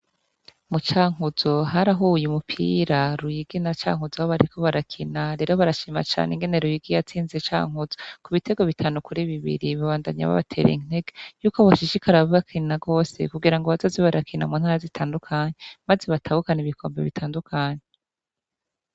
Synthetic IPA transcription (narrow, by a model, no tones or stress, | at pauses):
mut͡ʃaːŋ̥uzo̞ɦaɾaɦoujumupʰḭːɾaɾujiɡinat͡ʃa̰ːŋuzahoβaɾikʰo̞βaɾakʰinaɾe̞ːɾoβaɾaʃiːma̰t͡ʃa̰ːneŋɡe̞ne̞ɾujiɡijat͡siːnzet͡ʃa̰ːŋ̥uzokuβite̞ɡoβitʰaːnukuɾiβiβḭɾiβaβaːndaɲa̰βa̰βatʰe̞̰ːɾḭn̥e̞ɡejuːko̞βaʃiʃikaɾaββakʰinaɡo̞ːse̞̰kuɡiɾaŋɡoβazoziβaɾʔakʰina̰muːnhaɾazitʰaːndukʰaɲemaze̞βatʰahukaɲeβikʰo̞̰ːmbe̞̰βitʰaːndukʰaɲe